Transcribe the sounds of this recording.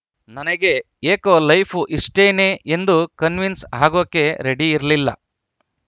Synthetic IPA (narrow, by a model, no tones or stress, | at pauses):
nɐnɐɡe̞ | eːkoːlɐjpʰuʔiʂʈeːneːʔend̪ukɐnʋinsaːɡoːkːe̞ɾeɽiːɾɐlilːɐ̰